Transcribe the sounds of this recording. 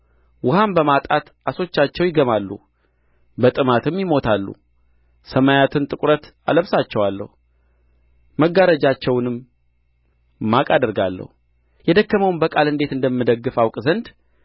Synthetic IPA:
wʊhambəmat̪ʼat̪ʔaso̞t͡ʃːat͡ʃːɛwjɪɡəmalːṵ | bət̪ʼɨmat̪ʰɨmjɪmo̞t̪ʰalːṵ | səmajat̪ʰɨnt̪ʼɨkʼɾət̪a̰ləβsat͡ʃːɛwalːə̰hu | məɡaɾəd͡ʒat͡ʃːɛwnɨm | akʼad̪əɾɡalːə̰hu | jɛd̪əkːəməwnbəkʼalɨnd̪e̞t̪ɨnd̪əmːɨd̪əɡːɨfawkʼzənd̪

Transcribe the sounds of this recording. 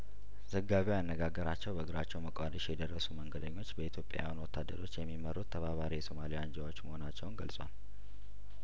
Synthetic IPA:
z̥əɡːaβewjanːəɡaɡːəɾat͡ʃːɛwbəɡɨɾat͡ʃːɛwməkʼʷad̪əʃjɛd̪ərːəsuməŋɡəd̪əɲːo̞t͡ʃːbəit̪ʰjo̞pʼeja̰jwnwɔt̪ʰːad̪ːəɾo̞t͡ʃːjɛmːimərːut̪ʰːəβaβaɾijɛso̞malijand͡ʒawo̞t͡ʃːməho̞nat͡ʃːɛwʊnɡəlsʼwal

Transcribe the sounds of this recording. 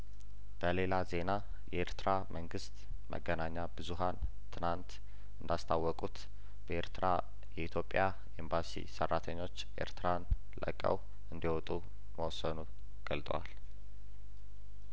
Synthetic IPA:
b̥əle̞laze̞na | jɛʔeɾt̪ʰɨɾamʔəŋɡɨst̪ | mə̰ɡːənaɲːabɨzuɦan | t̪ʰɨnant̪ | ɨnd̪ast̪ʰawːɔkʼut̪ | b̥əeɾt̪ʰɨɾa | jɛit̪ʰjo̞pʼːja | embasḭsərːat̪ʰəɲːo̞t͡ʃːʔe̞̰ɾt̪ɾan | lə̰kʼə̰w | ɨnd̪iwɔt̪ʼu | məwɔsːənu | ɡ̥əlt̪ʼəwa̰l

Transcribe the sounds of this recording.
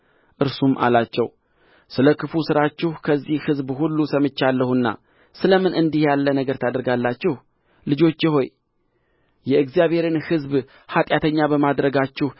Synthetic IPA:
ʔɨɾsumʔa̰lat͡ʃːɛw | sɨləkʰɨfusɨɾat͡ʃːɪhkʰəzːihhɨzbhulːusəmɨt͡ʃːalːəhunːa̰ | sɨləmɨnɨnd̪ihjalːənəɡəɾt̪ʰad̪əɾɡalːat͡ʃːɪh | lɨd͡ʒo̞t͡ʃːjɪɦo̞j | jɛɨɡzijaβhe̞ɾɨnhɨzb | hat̪ʼjat̪ʰəɲːabəmad̪ɾəɡat͡ʃːɪh

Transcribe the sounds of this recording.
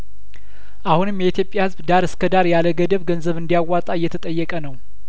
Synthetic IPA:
ʔahunɨmjɛit̪jopʼjahɨzbd̪aɾɨskʰəd̪aɾjaləɡəd̪əβɡənzəβɨnd̪ijawːat̪ʼajːɛt̪ʰət̪ʼəjːɛkʼənəw

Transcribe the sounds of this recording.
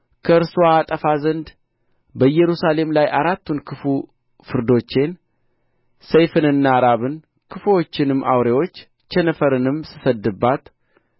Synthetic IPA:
kʰəɨɾsoaːt̪ʼəfazənd̪ | bəjːɛɾusale̞mlajʔaɾat̪ːunkʰɨfu | fɨɾd̪o̞t͡ʃːe̞n | sejfɨnɨnːaːɾaβɨn | kʰɨfuot͡ʃːɪnɨmːʔa̰wɾewot͡ʃː | t͡ʃɛnəfəɾɨnɨmsɨ̥səd̪ːɨbːat̪

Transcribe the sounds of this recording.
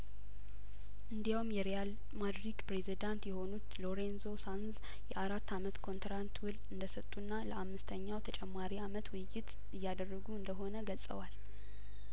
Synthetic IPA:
ʔɨnd̪ijawmjɛɾijal | mad̪ɾikpɾezid̪ant̪jɛho̞nut̪lo̞ɾe̞nzo̞sanz | jɛʔaɾat̪ːamət̪kʰo̞nt̪ɾant̪wʊlɨnd̪əsət̪ʼːunːaləʔamːɨst̪ʰəɲːawt̪ʰət͡ʃʼɛmːaɾiamət̪wʊjːɪt̪ | ɨjːad̪ərːəɡuɨnd̪əɦo̞nəɡəlsʼə̰wal

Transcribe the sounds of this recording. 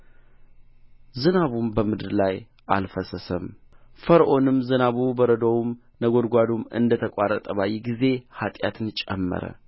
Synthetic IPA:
zɨnaβumbəmɨd̪ɨɾlaj | ʔa̰lfəsəsəmfəɾʔo̞nɨmzɨnaβubəɾəd̪əwum | nəɡo̞d̪ɡʷad̪umɨ̰nd̪ət̪ʰəkʷʼarət̪ʼəβajɛɡize̞hat̪ʼjat̪ʰɨnt͡ʃʼɛ̰mːə̰ɾə̰

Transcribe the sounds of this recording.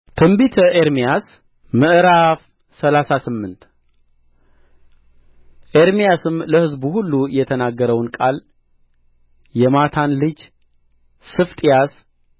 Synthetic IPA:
t̪ʰɨmbit̪ʰəʔeɾmijas | mɨʔɨɾaf | səlasasɨmːɨnt̪ | ʔeɾmijasɨmləhɨzbuhulːujɛt̪ʰənaɡːəɾəwnkʼal | jɛmat̪ʰanlɨd͡ʒ | sɨft̪ʼijas

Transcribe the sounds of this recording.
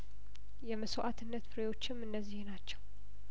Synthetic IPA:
jɛməsoʔat̪ʰɨnːət̪fɨɾejo̞t͡ʃːɪmɨnːəzːihnat͡ʃːɛw

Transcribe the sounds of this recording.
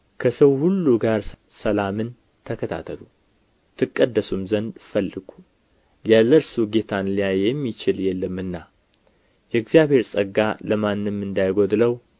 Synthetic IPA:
kʰəsəwhulːuɡaɾ | səlamɨn | t̪ʰəkʰət̪ʰa̰t̪ʰəlu | t̪ʰɨkʼːəd̪ːəsumzənd̪fəlːɨɡ̥u | jaləɾsuɡe̞t̪ʰanlijajɛmːit͡ʃɪljɛlːɨmːɨnːa | jɛɨɡzijabhe̞ɾsʼəɡa̰ləmanːɨmːɨnd̪ajɡo̞d̪ləw

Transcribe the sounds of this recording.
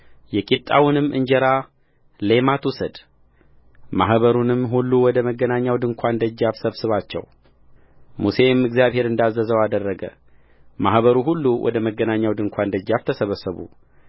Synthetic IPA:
jɛkʼit̪ʼa̰wunɨmːʔɨɲd͡ʒɛɾa | le̞mat̪wusəd̪ | mahβəɾunɨmɦulːuwɔd̪əməɡːənaɲːawd̪ɨŋkʷʰand̪əd͡ʒːaβsəβsɨβat͡ʃːɛ̰w | muse̞mɨɡzjaβhe̞ɾɨnd̪azːəzəwad̪ərːəɡə̰ | mahβəɾuɦulːuwʔɔ̰d̪əməɡːənaɲːawd̪ɨŋkʷʰand̪əd͡ʒːaβt̪ʰəsəβəsəβṵ

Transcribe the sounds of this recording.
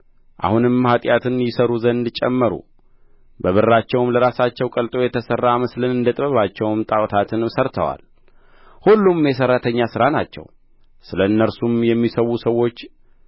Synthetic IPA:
ʔa̰hunɨmhat̪ʼjat̪ʰɨnjɪsəɾuzənd̪ɨt͡ʃʼɛmːəɾṵ | bəβɨɾːat͡ʃːɛwmləɾasat͡ʃːɛwkʼəlt̪ʼo̞jɛt̪ʰəsərːamɨslɨnɨnd̪ət̪ʼβəβat͡ʃːɛwmt̪ʼawt̪ʰat̪ʰɨnsəɾt̪ʰə̰wa̰l | hulːumjɛs̬ərːat̪ʰəɲːasɨɾanat͡ʃːɛ̰w | sɨləɨnːəɾsumjɛmːisəwusəwo̞t͡ʃː

